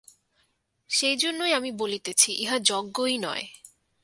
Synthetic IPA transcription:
ʃejd͡ʑonːojamibolit̪et͡ɕʰiʔeɦad͡ʑɔɡːoinɔ̰e

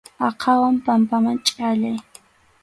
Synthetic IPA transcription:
ɑqʰɑwampampamaŋt͡ʃʼaʎaj

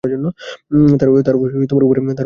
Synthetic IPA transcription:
aɾd͡ʑonːot̪aɾt̪aɾt̪omaɾupɾemet̪aɾ

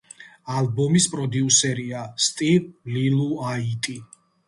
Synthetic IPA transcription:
alˠbɔmispʼɾɔd̪iusɛɾiast̪ʼivliluait̪ʼi

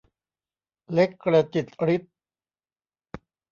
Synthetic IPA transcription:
lekːəɽɛt̪it̪əɽit̪̚

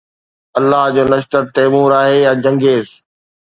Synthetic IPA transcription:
ɐlːaɦd͡ʑoːnɐʃt̪əɾt̪eːmuːɾaːɦejãːd͡ʑɐ̃ŋɡeːz

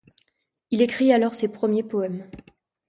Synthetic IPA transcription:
ilekχialɔʁsepχəmjepɔɛm

